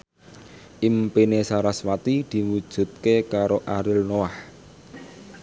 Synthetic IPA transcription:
ʔimpinesaɾaswat̪id̪̥i̤wud̥ʒ̥ṳt̪̚kekaɾoʔaɾɪlnoah

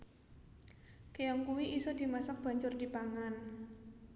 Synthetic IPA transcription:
kejɔŋkuwiʔisɔd̪̥i̤masək̚b̥a̤ɲt͡ʃʊrd̪̥i̤paŋan

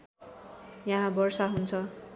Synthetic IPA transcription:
jãɦãbʌrsaɦunt͡sʰʌ

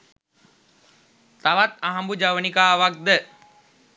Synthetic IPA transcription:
t̪aʋat̪aɦambud͡ʒaʋənikaːʋak̚d̪ə

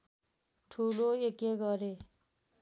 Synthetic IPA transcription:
ʈʰuloekeɡʌɾe

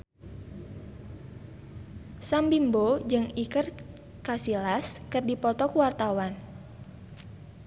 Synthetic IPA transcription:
sambimbod͡ʒɨŋikər | kasilaskɨrdipɔt̪ɔkuwart̪awan

